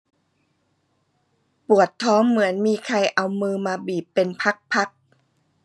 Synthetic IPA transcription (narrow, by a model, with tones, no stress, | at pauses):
pu˨˩ət̪ʰːɔː˦˥ŋmɯ˩˦ənmiː˧kʰa˧jʔa˧wmɯː˧maː˧biː˨˩pːe˧npʰa˦˥k̚pʰa˦˥k̚